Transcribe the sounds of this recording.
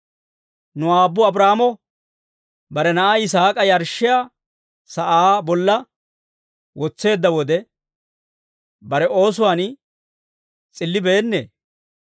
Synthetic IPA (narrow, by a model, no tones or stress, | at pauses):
nʊaːbːʊɐbɾaːmɔ | bɐɾɛnɐʔajɪsaːkʼɐjɐɾʃːɪja | sɐʔaːbɔlːɐ | wɔt͡sːe̞ːd̪ːɐwɔd̪ɛ | bɐɾɛʔo̞ːs̬ʊwaːn | t͡sʼɪlːɪbe̞ːnːḛː